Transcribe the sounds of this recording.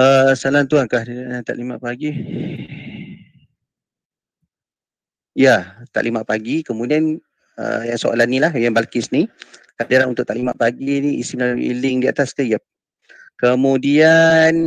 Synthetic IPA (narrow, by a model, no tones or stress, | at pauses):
əsalant̪uankahat̪a̰ʔlimaʔ̚paɡi | jat̪a̰ʔlimaʔpaɡikəmudian | ə̰jaŋsoʔa̰lanĩlahjaŋbalkɪsnikaʔdaɾanunt̪ʊʔ̚t̪aʔlima̰ʔpaɡiniisimlalamḭlɪŋdia̰t̪askəjap̚ | kəmudian